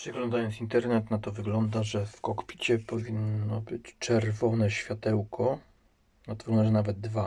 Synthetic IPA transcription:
pʂɛɡlɔnd̪ajɔntsint̪ɛɾnɛt̪nat̪ɔvɘɡlɔnd̪aʐɛfkɔkpʲi̥t͡ɕɛpɔvʲinːɔbɘt͡ɕt͡ʂɛɾvɔnɛɕfʲjat̪ɛwkʰɔ | nat̪ɔvɡɔnd̪aʐɛnavɛd̪̚d̪va

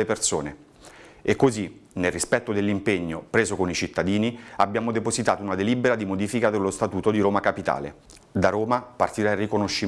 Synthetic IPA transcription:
epersoːne | ekːozinelrːispɛt̪ːod̪elːimpeɲːopɾeːzokonit͡ʃit̪ːad̪iːniabjaːmod̪epozit̪aːt̪ounad̪eliːbeɾad̪imod̪iːfikad̪elːost̪at̪uːt̪od̪iɾoːmakapit̪a̰ːlḛ | d̪aɾoːmapart̪iɾarikonoʃːi

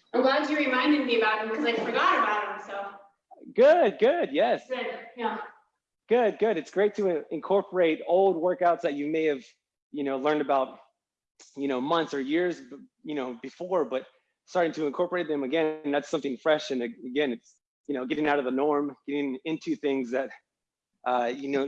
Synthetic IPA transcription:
alʌvɨɹɨmãɪ̃ndɨ̃d̚miɨbaʊt̚hɨ̃mkʰʌzaɪ̥fə˞ɡɑɾɨbaʊt̚hə̃msoʊ | ɡ̥ʊd̚ɡʊd̚jɛsɡ̥d | ɡ̥ʊd̚ɡʊɾɨtsɡ̥ɹeɪtʰɨɨ̃nkʰɔɹpʰə˞eɪɾoʊlˠd̚wɜ˞kaʊtsðɨt͡ʃɨmeɪɨv̥ | jɨnoʊlɜ̃˞ndɨbaʊt̚ | jɨñoʊmʌ̃nθsə˞jɪɹzjɨnoʊbɨfɔɹbʌt̚ | stɑɹɾɪ̃ŋtʰɨɨ̃nkʰɔɹpə˞eɪt̪̚ðɨ̃mɨɡɛ̃nðætsʌ̃mθɪ̃ŋfɹɛʃɨ̃nɨɨɡɛ̃nɨts | jɨnoʊɡɛɾɪ̃ŋaʊɾʌvðənɔɹmɡ̥ɛɾɪ̃ŋɪ̃ntʰʉθɪ̃ŋzðɨt̚ | ʔʌjɨnoʊ

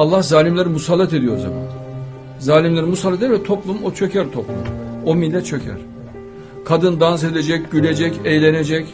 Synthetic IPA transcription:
alˠːahzaːlʲimlʲeɾimusalˠːat̪e̞d̪ijo̞ɾza̰ba̰n | zaːlʲimlʲeɾimusalˠːat̪æɾvɛt̪ʰo̞plˠumo̞t͡ʃʰø̞cʰæɾt̪ʰo̞plˠṵmomilʲːɛt̪̚t͡ʃʰø̞cʰæ̰ɾ̥ | kʰad̪ɯnd̪ans̬e̞d̪ed͡ʒɛc̚ɟylʲe̞d͡ʒɛcejlʲened͡ʒɛc

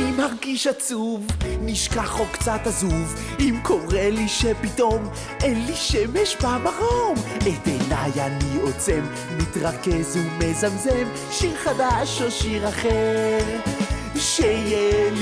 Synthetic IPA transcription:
imaʁɡiʃat͡suvniʃkaχokt͡sat̪azuv | imkʰo̞ʁeliʃepit̪o̞m | enliʃemeʃbaamaʁomet̪enajaniot͡sem | nitʁakezumezamzem | ʃiʁχadaʃoʃiʁaχeʁ | ʃeje

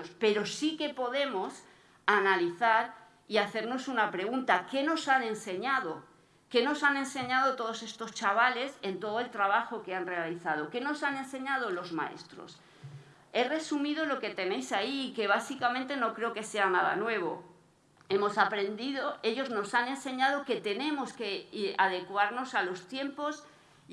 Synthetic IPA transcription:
spe̞ɾo̞sike̞po̞ðe̞mo̞s | analiθaɾ | iaθe̞ɾno̞sunapɾe̞ɣ̞unt̪ake̞no̞sane̞nse̞ɲaðo̞ | ke̞no̞sanẽ̞nse̞ɲaðo̞t̪o̞ð̞o̞se̞st̪o̞st͡ʃaβ̞ale̞se̞nt̪o̞ð̞oe̞lt̪ɾaβ̞axo̞ke̞anre̞aliθað̞o̞ke̞no̞sanẽ̞nse̞ɲað̞o̞lo̞zma̰e̞̰st̪ɾo̰s | e̞re̞sumiðo̞lo̞ke̞t̪e̞ne̞jsaiːke̞β̞asikamẽnt̪e̞no̞kɾe̞oke̞se̞anaða̰nwe̞β̞o̞̰ | e̞mo̞sapɾe̞nd̪iðo̞e̞ʝo̞zno̞sane̞nse̞ɲað̞o̞ke̞t̪e̞nẽ̞mo̞ske̞að̞e̞kwaɾno̞salo̞st̪je̞mpo̞s

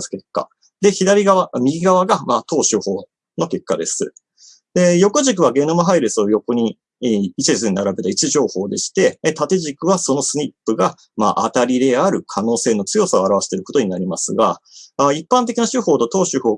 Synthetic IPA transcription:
ske̞kːa̰ | d̪e̞çid̪aɾʲiɡaβamʲiɡʲiɡaβ̞aɡamaːt̪o̞ːɕɨːho̞ː | no̞ke̞kːad̪e̞sɨ̰ | d̪̥e̞jo̞koʑik̬ɯ̟β̞aɡe̞ːnomaɦaiɾesɨo̞jo̞ko̞ɲ̟iː | t͡ɕiesɨɲinaɾabe̞t̪ait͡ɕiʑo̞ːho̞ːd̪e̞ɕi̥t̪e̞t̪at̪e̞ʑikɯ̟βaso̞no̞sɨɲ̟ʲipːɯ̟ɡa | ma̰ːʔa̰t̪aɾʲiɾe̞aɾɯ̟kʰano̞ːse̞ːno̞t͡sɨjo̞sao̞aɾaβaɕi̥t̪eɾɯ̟ko̞t̪oɲ̟inaɾʲimasɨɡaaipːãnt̪̬e̞kʲinaɕɨho̞ːt̪ot̪o̞ːɕɨho̞ː

